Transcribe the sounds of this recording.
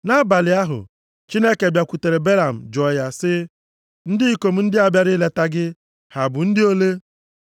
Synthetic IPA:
na˦ba˨lɪ˨a˦ɦʊ̰˨ | t͡ʃi˦ne˦ke˨bja˨kʷu˨te˨ɾe˨be˦la˨m̩˨d͡ʒɔ˨ja˦sɪ˦ | n̩˦dɪ˦i˦ko˨m̩˦n̩˦dɪ˦a˨bja˦ɾi˦le˦ta˦ɡɪ˦ | ha˨bʊ˨n̩˦dɪ˦o˦le˦

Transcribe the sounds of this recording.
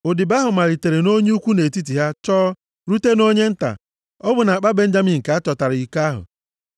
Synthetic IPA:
o˨dɪ˨ba˦ɦʊ˨ma˨ɾi˨te˨ɾe˨no˦ɲe˦u˦kʷu˦ne˨ti˦t̬i˨ɦa˦t͡ʃɔː˦ | ɾu˦te˦no˦ɲe˦n̩˦ta̰˨ | ɔ˦bʊ˨na˨a˨k͡pa˦be˦n̩˦d͡ʒa˦mi˨ŋ̩˨ka˨˦a˦t͡ʃɔ˨ta˨ɾɪ˨i˨ka˦ɦʊ̰˨

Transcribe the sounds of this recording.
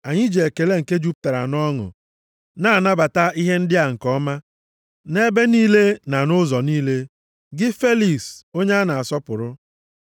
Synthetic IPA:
a˨ɲɪ˦d͡ʒe˨e˨ke˨le˦ŋ̩˨ke˦d͡ʒu˦p̚ta˨ɾa̰˨nɔ˦ŋʊ̰˨ | na˦˨na˦ba˨ta˦ʔi˦ɦe˦n̩˦dɪ˦a˨ŋ̩˨kɔ˦ma˦ | ne˦be˦niː˦le˦na˨nʊ˦zɔ˨niː˦le˦ | ɡɪ˦fe˦li˨so˦ɲe˦a˦na˨a˨sɔ˦pʊ˨ɾʊ˦

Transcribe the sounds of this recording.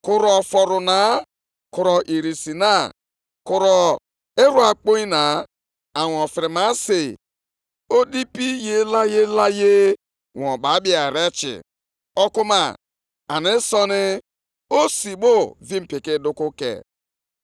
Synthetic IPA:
kʊ˨ɾɔ˨fɔ˨ɾʊ˨na˨˦ | kʊ˨ɾɔ˨ʔi˨ɾi˨si˨na˦ | kʊ˨ɾɔ˨ | e˦ɾu˦a˨k͡po˦i˦na˨ | a˨ŋ˨ɔ˨fɪ˨ɾɪ˨ma˦sɪ˨ | o˦di˦pi˦je˦la˦je˦la˦je˦ | ŋɔ̃˨ɓa˨˦bi˦a˨ɾe˦t͡ʃɪ̰˨ | ɔ˦kʊ˦ma̰˨ | a̰˨nɪ˦sɔ˦nɪ˦ | o˦si˨ɓo˦vi˦m̩˨pɪ˨kɪ˦dʊ˦kʊ˦kḛ˨

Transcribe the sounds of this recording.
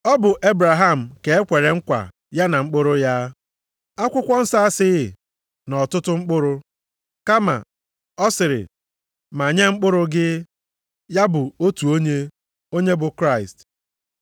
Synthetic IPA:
ɔ˦bʊ˨ʔe˦bɾa˨ɦa˦˨m̩˨ke˨e˦kʷe˨ɾe˨ŋ̩˦kʷa̰˨ | ja˦na˨ŋ͡m̩˦k͡pʊ˦ɾʊ˦ja˦ | a˦kʷʊ˦kʷɔ˦n̩˦sa˦a˦sɪ˦ɣɪ˨ | nɔ˨tʊ˦tʊ˦ŋ͡m̩˦k͡pʊ˦ɾʊ˦ | ka˦ma̰˨ | ɔ˦sɪ˨ɾɪ̰˨ | ma˨ɲe˦ŋ͡m̩˦k͡pʊ˦ɾʊ˦ɡɪ˦ | ja˦bʊ˨o˦tu˨o˦ɲe˦ | o˦ɲe˦bʊ˨kɾa˦ɪ˨st

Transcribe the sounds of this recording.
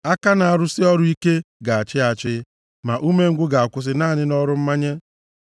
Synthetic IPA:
a˦ka˦na˨a˨ɾʊ˦sɪ˦ɔ˦ɾʊ˦i˦ke˦ɡa˨a˨t͡ʃɪ˦a˨t͡ʃɪ˦ | ma˨ʔu˦me˦ŋ̩˦ɡʷʊ˦ɡa˨a˨kʷʊ˦s̬ɪ˦naː˦˨nɪ˦nɔ˦ɾʊ˦m̩˦ma˦ɲe˦

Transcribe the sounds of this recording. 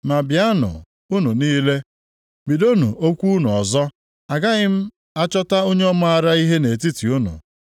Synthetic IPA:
ma˨bja˦nʊ̰˨ | u˦nu˨niː˦le˦ | bi˨do˦nu˨ʔo˦kʷu˦nu˨ɔ˨zɔ˦ | a˨ɡa˦ɣɪ˦m̩˦ | a˦t͡ʃɔ˦ta˦o˦ɲe˦ɔ˦ma˦a˨ɾa˦i˦ɦe˦ne˨ti˦ti˨u˦nʊ̰˨

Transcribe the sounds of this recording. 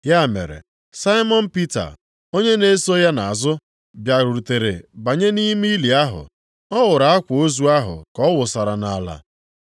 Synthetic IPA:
ja˦˨mḛ˨ɾḛ˨ | sa˦ɪ˦mɔ˦n̩˦pi˦ta̰˨ | o˦ɲe˦ne˦so˦ja˦na˨a˨zʊ˦ | bja˨ɾu˨ɾu˨te˨ɾḛ˨ba˨ɲe˦ni˦mi˦li˨a˦ɦʊ̰˨ | ɔ˦wʊ˨ɾa˨a˦kʷʊ˨o˦zu˦a˦ɦʊ̰˨kɔ˦wʊ˨sa˨ɾa˨na˨la̰˨

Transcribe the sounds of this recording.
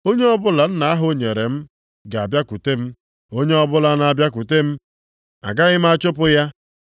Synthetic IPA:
o˦ɲe˦ɔ˦bʊ˦la˨n̩˦na˨˦a˦ɦo˦ɲe˨ɾe˨m̩˦ | ɡa˨a˨bja˦ku˨te˦m̩˦ | o˦ɲe˦ɔ˦bʊ˦la˨˦na˨bja˦ku˨te˦m̩˦ | a̰˨ɡa˦ɣɪ˦m̩˦a˦t͡ʃʊ˦p̬ʊ˦ja˦

